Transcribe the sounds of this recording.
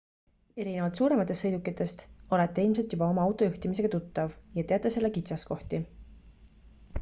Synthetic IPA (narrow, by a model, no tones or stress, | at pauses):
e̞ɾinevɑlt̪suːɾe̞mɑt̪ːˑest̪ːɤjd̪ukːˑit̪ːˑe̞st̪o̞le̞t̪ːe̞ilmse̞lt̪jubɑo̞mɑɑwt̪ˑo̞juht̪imise̞ɡ̥ɑt̪ut̪ːɑvjɑt̪e̞ɑt̪ːˑese̞lːekit̪sɑsko̞ht̪i